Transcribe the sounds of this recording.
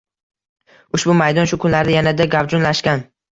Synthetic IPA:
ʊʃbʊmajd̪ɒnʃʊkʰʊnlaɾɪjanad̪aɡavd͡ʒɒnlaʃkʲan

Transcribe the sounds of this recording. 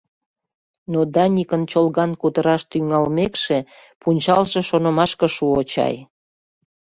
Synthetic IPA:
nod̪ɑnʲikənt͡ɕolɣɑnkut̪əɾɑʃt̪yŋɑlmekʃepunʲt͡ɕɑlʒe̽ʃonəmɑʃkə̆ʃuot͡ɕɑ̰j

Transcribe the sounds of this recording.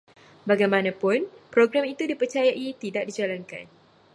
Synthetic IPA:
baɡajmãnãpʊnpɾoɡɾamit̪udipərt͡ʃajaʔit̪idaʔ̚did͡ʒalanka̰n

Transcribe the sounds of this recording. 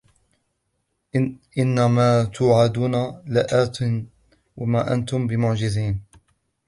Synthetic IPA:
ʔɪnːamaːt̪ʰʊʕad̪uːnalɪʔaːt̪ɪn | wamaːʔa̰nt̪ʊmbɪmʊʕd͡ʒɪziːn

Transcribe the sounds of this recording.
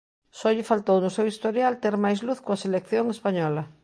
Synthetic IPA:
sɔʎɪfalt̪ownʊsewist̪oɾjalt̪eɾmajzluθkoaselekθjoŋespaɲɔlɐ

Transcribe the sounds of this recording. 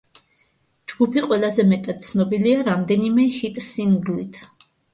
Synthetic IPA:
d͡ʒɡupʰiqʼwɛlˠazɛmɛt̪ʼad̪̥̚t̪sʰnɔbiliaɾamd̪ɛnimɛhit̪ʼsinɡlit̪ʰ

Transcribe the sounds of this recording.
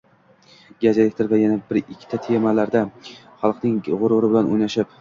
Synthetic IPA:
ɡʲad͡ʒelekʲt̪ʰɪɾvajanabɪɾɪkʲʰːɪ̥t̪ʰat̪ʰemalaɾd̪a | χɑlˠqnɪŋʁʊɾʊɾɪbɪlanojnaʃɪp

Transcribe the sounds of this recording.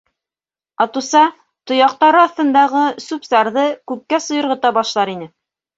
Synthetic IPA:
ɑt̪usɑ | t̪ŏjɑq̚t̪ɑɾɤɑθt̪ɤ̆nd̪ɑʁɤsupsɑɾðɤkʉp̚kːæsŏjɤ̆ɾʁɤ̆t̪ɑbɑʃlˠɑɾinɘ

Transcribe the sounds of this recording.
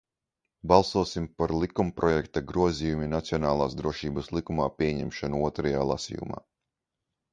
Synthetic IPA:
bɑlˠsuɔsimpaɾlˠikumpɾɔjɛkt̪aɡɾuɔziːjuminat̪siɔnaːlˠaːsd̪ɾuɔʃiːbɐslˠikumaːpʲiɛɲɛmʃanuuɔt̪ɾajaːlˠa̰sḭːjṵma̰ː

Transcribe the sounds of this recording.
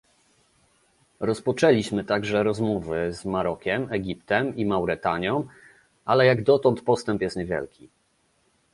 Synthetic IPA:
ɾɔspɔt͡ʂɛlʲiɕmɘt̪aɡʐɛɾɔzmɔvɘzmaɾɔkʲɛmɛɡʲipt̪ɛmimawɾɛt̪aɲɔ̃w̃ | ʔalɛjaɡd̪ɔt̪ɔnt̪pɔst̪ɛmpjɛst̪ɲɛvʲjɛ̰lkʲi

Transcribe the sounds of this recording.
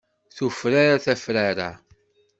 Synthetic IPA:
θufɾaɾaθæfɾaɾa̰

